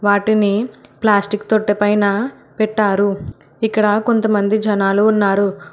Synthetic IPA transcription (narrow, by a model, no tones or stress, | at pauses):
ʋaːʈiniplaːsʈikt̪oʈːepɐjnɐ | pɛʈːaːɾu | ikːɐɽɐko̞nt̪ɐmɐnd̪id͡ʒɐnaːluːnːaːɾu